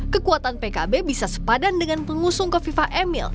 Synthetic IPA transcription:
kəkuat̪anpekabebisasə̥padandəŋanpəŋusʊŋkəfifaʔemḭl

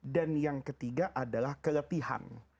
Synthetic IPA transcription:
danjaŋkət̪iɡaʔadalahkələt̪iha̰n

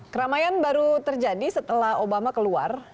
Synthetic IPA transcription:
kəɾamajanbaɾut̪ərd͡ʒadisət̪əlahobamakəlua̰r

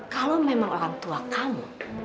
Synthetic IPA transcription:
kalomemaŋoɾaŋt̪uakʰamu

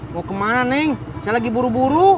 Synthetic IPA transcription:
mɔkəmanɛŋ | salaɡibuɾubuɾu

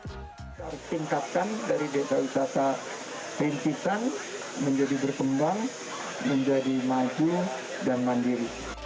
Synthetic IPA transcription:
t̪aɾʊst̪iŋkat̪̚kandaɾidet̪ausasa | pint̪it̪an | məɲd͡ʒadibərkəmbaŋ | məɲd͡ʒadimad͡ʒu | danmandiɾi

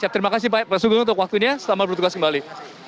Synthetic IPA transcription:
sap̚t̪əɾimakas̬ipaɛpəsuɡʊunt̪ʊkwak̚t̪uɲasəlamat̪bərt̪uɡaskəmbali

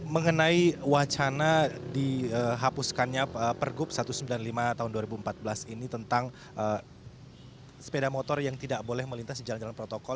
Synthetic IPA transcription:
məŋənaiwat͡ʃanadiəɦapuskanɲaəpərɡʊp̚sat̪usəmbilanlimat̪aɦʊnduaɾibuəmpat̪̚bəlasinit̪ənt̪aŋ | ʔə | sə̥pedamot̪ɔrjaŋt̪idakbolɛhməlint̪asid͡ʒaland͡ʒalanpɾot̪okɔl

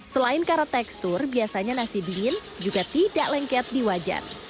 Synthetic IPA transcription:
səlaɪnkaɾat̪ɛkst̪ʊrbiasaɲanasibiŋɪn | d͡ʒuɡat̪idaʔlɛŋkɛt̪̚diwad͡ʒa̰r

